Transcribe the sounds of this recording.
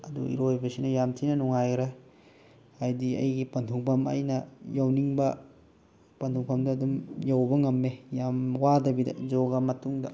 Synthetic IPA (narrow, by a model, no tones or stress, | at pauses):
ɐdṵḭɾojbɐsinɐjamtʰinɐnuŋajɡɾe | ajdiɐ̰jɡipɐntʰuŋpʰɐmɐ̰jnɐjawniŋbɐ | pɐntʰuŋpʰɐmdɐːɐdumjawbɐŋɐmːejamwadɐbidɐ̰d͡ʒoɡɐmɐtuŋdɐ̰